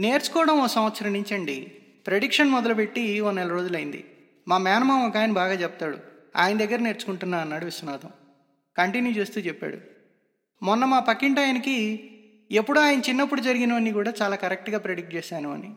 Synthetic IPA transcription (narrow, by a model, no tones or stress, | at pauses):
ne̞ːɾt͡ʃu̥kɔːɽɐmosɐmʋɐt̪sɐɾɐniɲt͡ʃɐɳɖi | pɾe̞ɽikʂɐnmɔd̪ɐlupe̞ʈːionːɛlɐɾo̞ːd͡ʒulɐjind̪ḭ | maːmjaːnɐmaːmɔkaːjɐnɐbaːɡaːt͡ʃɛpɐt̪aːɽṵ | a̰ːjɐnɐd̪ɐɡːɐɾɐne̞ːɾt͡ʃu̥kuɳʈunːaːɾɐnːaːɽuʋiswɐnaːd̪ɐm | kɐɳʈinjuːt͡ʃeːst̪uːt͡ʃɛpːa̰ːɽṵ | mɔnːɐmaːpɐkːiɳʈaːjɐniki | epːuɽuaːjɐnɐt͡ʃinːɐpːuɽud͡ʒɐɾiɡinɐʋɐnːiːkuːɽaːt͡ʃaːlaːkɐɾek̚ʈɡaːpɾeɽik̚ʈ̚t͡ʃɛːsaːnuɐ̰ni